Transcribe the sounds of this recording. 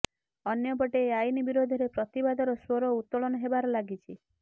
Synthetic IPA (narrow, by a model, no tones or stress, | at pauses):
ɔnjɔbɔʈeːajnibiɾod̪ʱiɾepɾɔt̪ibad̪ʱɔɾɔswoɾɔut̪ːɔɭɔnɔɦebaɾɔlaɡit͡ʃʰi